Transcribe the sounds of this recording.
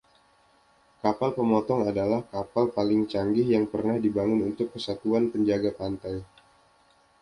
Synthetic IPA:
kapalpəmɔt̪ɔŋadalahkapalpalɪŋt͡ʃaŋɡɪhjaŋpərnahdibaŋʊnunt̪ʊkːəsat̪uanpəɲd͡ʒaɡapant̪aj

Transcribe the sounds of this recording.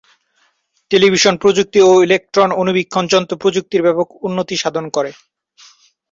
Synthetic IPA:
ʈelibʱiʃonpɾod͡ʑuk̚t̪ioilek̚ʈɾononubikʰːond͡ʑɔnt̪opɾod͡ʑuk̚t̪iɾbɛpokʰunːot̪iʃad̪ʱonkɔɾe

